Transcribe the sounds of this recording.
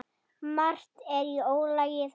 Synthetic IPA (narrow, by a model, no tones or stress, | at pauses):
mar̥t̪ɛɾioːwlaːjɪθ